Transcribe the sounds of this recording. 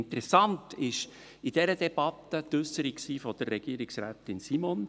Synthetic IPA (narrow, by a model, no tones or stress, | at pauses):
nt̪ɾɛsɑntɪʃ | id̥ɛɾəd̪ɛb̥ɑt̪ːət̪ʏsəɾiksiːfɔd̪̥ərːɛɡ̥iːəɾɪksɾæ̰ːt̪ɪnsimon